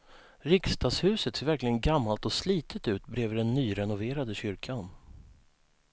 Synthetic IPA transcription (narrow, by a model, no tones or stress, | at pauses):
ɾɪkst̪ʰɑːshʉ̟ːsət̪seːɾvæɾklɪɡənɡamːalt̪ɔsliːt̪ʰət̪ʉ̟ːt̪bɾeːvɖɛnːyːɾɛnʊveːɾad̪əɕʏɾkʰan